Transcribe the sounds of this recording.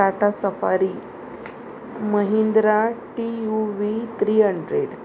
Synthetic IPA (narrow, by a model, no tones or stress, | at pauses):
aʈasəfa̰ɾi | məɦind̪ɾaʈijuʋit̪ɾiːɦəɳɖɾeɽ